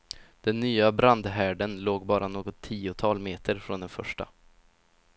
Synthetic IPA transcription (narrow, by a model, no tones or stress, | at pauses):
d̪̥ɛnːyːabɾand̪ɦæːɖənloːɡbɑːɾanoːɡɔt̪ʰːiːʊt̪ʰɑːlmeːt̪ʰəɾfɾɔnd̪ɛnfœ̰ʂʈa̰